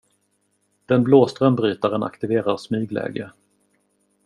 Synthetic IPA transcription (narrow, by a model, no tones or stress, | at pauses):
d̪̥ɛnbloːst̪ɾənbɾyːt̪aɾəna̰kt̪ɪveːɾaɾsmyːɡlɛ̰ːɡə